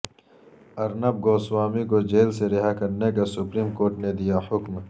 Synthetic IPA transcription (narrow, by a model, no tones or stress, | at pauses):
ɐɾnɐb̚ɡoːswaːmikod͡ʒeːlseɾɪɦakɐɾnekasupɾiːmkoːɾʈned̪ijahʊkm